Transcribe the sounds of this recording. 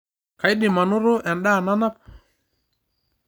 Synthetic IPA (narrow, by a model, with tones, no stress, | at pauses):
ka˨jɗɪ˨ma˨nʊ˦ɾʊ˦ʔɛ˨nɗa˦˨na˦na˦p